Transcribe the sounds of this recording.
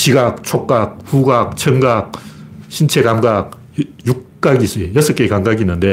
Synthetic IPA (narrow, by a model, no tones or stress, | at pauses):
ɕiɡak̚t͡ɕʰok̚k͈ak̚ɸuɡak̚t͡ɕʰʌŋɡak̚ɕʰint͡ɕʰe̞kamɡak̚ | juk̚k͈aɡis͈ɯejʌs͈ʌk͈ekaŋɡaɡinːɯnde